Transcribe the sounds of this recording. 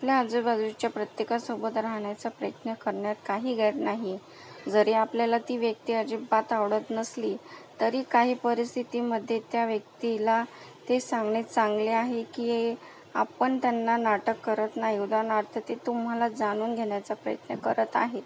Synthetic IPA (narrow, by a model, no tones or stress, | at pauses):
apljaːd͡zəbad͡zit͡ɕjapɾət̪jekasobət̪ɾaɦɳjat͡sapɾəjət̪nəkəɾɳjat̪kaɦiːɡʱɛt̪naɦi | d͡zəɾeapljalat̪iːʋjək̚t̪iːad͡ʑibat̪aʋɽət̪nəsliːt̪əɾiːkaɦiːpəɾist̪ʰit̪iməd̪ʱːjet̪jaʋjək̚t̪ila | t̪esãŋɡɳet͡saŋɡleaɦekiːe | a̰pəɳt̪janːanaʈəkːəɾət̪naɦiud̪ʱanaɾt̪ʰət̪et̪um̤ɦalad͡zaɽ̃uːnɡʱeɳjat͡sapɾəjə̰t̪nəkəɾət̪a̰ɦet̪